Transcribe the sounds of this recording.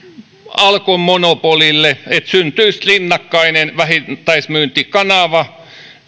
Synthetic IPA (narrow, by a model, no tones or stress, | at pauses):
ɑlkommonopolilːeet̪synt̪yislinːɑkːɑinenʋæhit̪ɑismyːnt̪ikɑnɑˑʋɑ